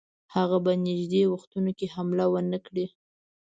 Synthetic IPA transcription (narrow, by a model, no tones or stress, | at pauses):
haɣabanɪʒd̪ewaxt̪unokehamlawənəkɽi